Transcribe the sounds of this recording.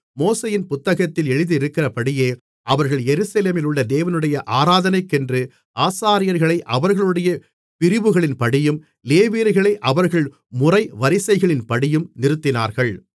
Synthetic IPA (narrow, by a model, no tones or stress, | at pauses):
moːseːjɪnpʊt̪ːɐɣɐt̪ːɪlɛɻɯðɪɪɾɯkːɪrɐpɐɽɪjeː | ʔɐʋɐɾɣɐɭjɛɾɯsɐleːmɪlɯɭːɐd̪eːʋɐnɯɽɐjɐʔaːɾaːðɐnɐɪkːɛndrɯ | ʔaːsaːɾɪjɐɾɣɐɭɐɪʔɐʋɐɾɣɐɭɯɽɐjɐ | pɪɾɪʋɯɣɐɭɪnpɐɽɪjɯm | leːʋiːɾɣɐɭɐɪʔɐʋɐɾɣɐɭ | mʊrɐɪʋɐɾɪsɐɪɣɐɭɪnpɐɽɪjɯmnɪɾɯt̪ːɪna̰ːɾɣɐɭ